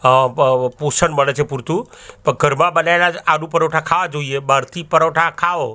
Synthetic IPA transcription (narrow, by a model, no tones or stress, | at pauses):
poːsənmɐnət͡ʃʰepʊɾt̪ũpɐɡʱɐɾmãɓɐnajlaaːɗũpɐɾoːʈʰãkʰaːʋad͡ʒoieɓaːɾt̪ipɐɾoːʈʰakʰaːʋo